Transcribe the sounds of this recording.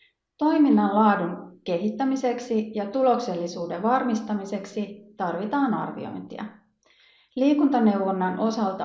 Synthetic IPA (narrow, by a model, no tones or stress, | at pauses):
t̪o̞jminːɑllɑːduŋke̞ɦit̪ːæmise̞ksijɑt̪ulo̞kse̞lːisuːdeʋɑrmist̪ɑmise̞ksit̪ɑrʋit̪ɑːnɑ̰rʋḭo̞̰jnt̪ḭɑ̰ | liːkunt̪ɑne̞wʋonːɑnʔo̞sɑlt̪ɑ